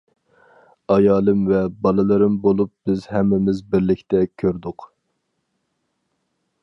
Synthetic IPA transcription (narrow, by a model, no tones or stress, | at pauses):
ɑjɑːlˠɨmvɛbɑlˠɨlˠɨɾɨmbolˠup̚b̥ɪzhɛmːɪmɪzbɪɾlɪkʲt̪ʰɛkʲʰøɾd̪ʊq